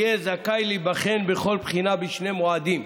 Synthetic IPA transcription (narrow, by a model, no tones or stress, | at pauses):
ezakajlibaχenbeχo̞lpχinabiʃne̞moad̪im